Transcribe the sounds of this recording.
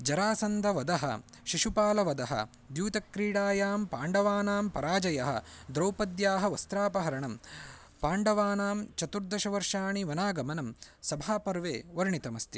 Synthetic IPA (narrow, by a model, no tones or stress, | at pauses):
d͡ʒɐɾaːsɐnd̪ʱɐʋɐd̪ɐɦɐ̰ | ʃiʂupaːlɐʋɐd̪ɐɦɐ̰ | d̪juːt̪ɐkɾiːɽaːjaːmpaːɳɖɐʋaːnaːmpɐ̰ɾaːd͡ʒɐjɐɦɐ̰d̪ɾɐwpɐd̪jaːɦɐʋɐst̪ɾaːpɐɦɐɾɐɳɐm | paːɳɖɐʋaːnaːmt͡ʃɐt̪uɾd̪ʱɐʃɐʋɐɾʂaːɳiʋɐnaːɡɐmɐnɐmsɐbʱaːpɐɾʋeːʋɐɾɳit̪ɐmɐst̪i